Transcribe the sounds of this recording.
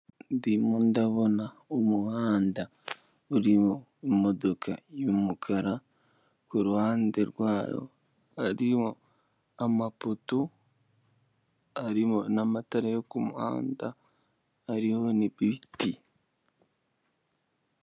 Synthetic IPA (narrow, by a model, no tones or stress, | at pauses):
nndimundaβona | omuhaːnda | uɾimo | imodokʰa̰jomukʰaɾa | kuɾuhaːndeɾwaːɾo̰ | aɾiho | amaputu | aɾimonamataɾajokumuha̰ːndaː | ɾihoniβiti